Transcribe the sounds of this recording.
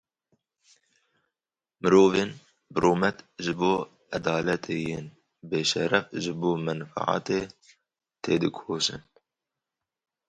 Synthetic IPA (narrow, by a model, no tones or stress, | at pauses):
mɨɾoːveːn | bɨɾoːmɛt̪ʒɨboː | ɛd̪ɑːlɛt̪ʰeːjeːn | beːʃɛɾɛfʒɨboːmɛnfa̰ʕɑ̰ːt̪eː | t̪ʰeːd̪ɨkʰoːʃɨ̰n